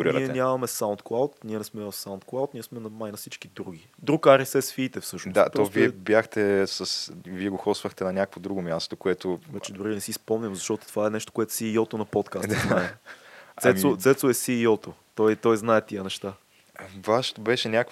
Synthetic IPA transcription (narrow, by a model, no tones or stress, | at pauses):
ɾiɾ̰iɛɛnʲamɐmɛsaʊnt̪klˠawt̪niɛnɛsmɛvɐssaʊ̃nt̪klˠawt̪niɛsmɛnɐmajnɐfsit͡ʃkid̪ɾuɡ̟id̪ɾukaɾɛsɛsfiːt̪ɛfsɤʃnd̪a̰tɾɔviɛbjaxt̪ɛsɐsviɛɡoxɔsvəxt̪ɛnɐnʲakəkvod̪ɾuɡomʲjast̪okoɛt̪ovɛt͡ʃɛd̪ʊɾinɛsispɔmɲʲɐmzɐʃt̪ɔt̪o̥t̪ovaɛnɛʃt̪o̥koɛt̪ʊ̥siːɔt̪onɐpɔt̪kasd̪aaɛt̪ɛmot̪sɛt̪soɛsiːɔt̪ot̪ɔjt̪ɔjznaɛt̪iənɛʃt̪a | vaʃt̪obɛʃɛnʲakk